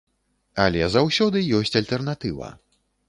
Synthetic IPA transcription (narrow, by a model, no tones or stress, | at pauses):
a̰lʲɛzawsʲɔd̪ɨjɔsʲt͡sʲalʲt̪ɛrnat̪ɨvɐ̰